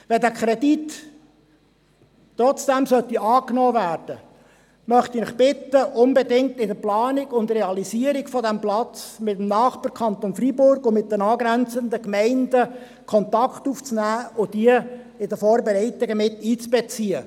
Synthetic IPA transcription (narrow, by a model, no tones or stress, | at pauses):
ʋɛdækʰɾɛdit | ɾɔt͡sd̥ɛmsœt̪iʔɑːknoːvæːɾd̥ə | mœχt̪inɪχb̥ɪt̪əʔʊnbɛdɪŋ̚t̪ɪdəplɑːnɪɡʊntreɑlisiəɾɪɡfɔdæmplɑt͡smɪt̪əmnɑːχpəɾkʰɑnt̪onfɾibʊɾɡʊmɪt̚d̥̪ənɑːɡɾænt͡sənd̪əkmɛɪndə | kʰɔnt̪ɑkχt̪uːft͡snæːʊd̥iə | ɪdəfɔːɾbɛɾɛɪt̪ɪɡəmɪt̪ːiːt͡sb̥ɛt͡siə